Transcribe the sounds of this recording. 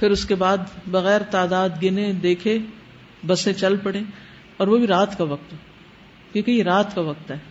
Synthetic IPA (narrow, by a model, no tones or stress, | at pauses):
pʰɪɾʊskebaːd̪bɐɣɛːɾt̪aːd̪aːd̪ɡɪnẽd̪eːkʰe | bɐsẽt͡ʃɐlpɐɽe | ɔːɾʋobʱiɾaːt̪kaʋɐk̚t̪ɦɛ̃ | kõkɐiɾaːt̪kaʋɐk̚t̪ɦɛː